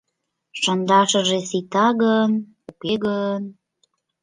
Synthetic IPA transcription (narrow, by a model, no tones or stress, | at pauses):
ʃənd̪ɑʃə̆ʒesit̪ɑɣən | ukeɣən